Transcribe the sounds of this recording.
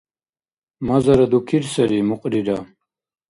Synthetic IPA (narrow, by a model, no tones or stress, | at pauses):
mɐzɐɾɐd̪ukʰiɾsɐɾimuqʼɾiɾa